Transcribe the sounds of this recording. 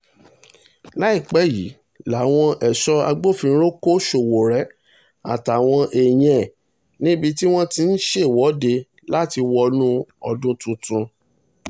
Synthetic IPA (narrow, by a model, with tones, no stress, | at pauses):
la˨˦i˦˨k͡pɛ˦˨jḭ˨˦ | la˨˦˨w̃ɔ̃˧ʔɛ˨ʃɔ˦a˧ɡ͡bo˦˨fĩ˧˦ɾo˦ko˦ʃo˨wo˨ɾɛ˨˦ | a̰˨ta˨w̃ɔ̃˧ʔe˨j̃ɛ̃˨ | nĩ˦bi˧ti˦w̃ɔ̃˦ti˧n̩˦ʃe˦˨wɔ˨˦de˧ | la˦ti˧wɔ˧nũ˦ɔ˧dũ˦tũ˧tũ˧